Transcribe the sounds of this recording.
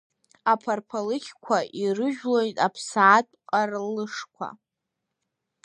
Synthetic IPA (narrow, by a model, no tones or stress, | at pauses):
apʰarpʰalɨkʲʰkʷʰaʔirɨʒᶣlojtʼapʰsaːtʼqʼarlɨʂkʷʰa̰